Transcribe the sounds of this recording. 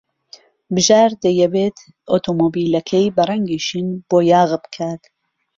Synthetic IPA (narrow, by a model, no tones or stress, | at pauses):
bɨʒaːɾd̪ɐjɛbeːt̪ʰ | ʔot̪ʰoːmoːbiːlɐkʰɐjbɐrɐŋɡiːʃinb̥oːjaːɣbkʰaːt̪